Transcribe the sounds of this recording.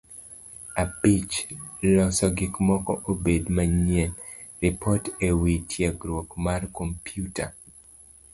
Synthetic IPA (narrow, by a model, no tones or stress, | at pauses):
apit͡ʃlɔsɔɡɪkmɔkɔʔobedmaɲiɛn | ɾipʰɔtewitʰjeɡɾwokmarkompjuta